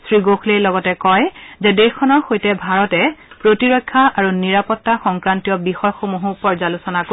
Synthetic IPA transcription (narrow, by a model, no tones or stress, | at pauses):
sɹiɡoxʰlejlɔɡɔtɛkɔjzɛdexkʰːɔnɔɹxojtɛbʱaɹɔtɛpɹotiɹɔjkʰːaʔaɹuniɹapɔtːaxɔŋkɹantijɔbixɔjxomuɦupɔɹzalusɔnako